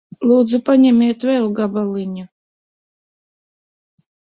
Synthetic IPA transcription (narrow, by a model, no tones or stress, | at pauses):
lˠuːd̪zupaɲʲɛmʲiɛt̪vɛlˠɡabalˠiɲa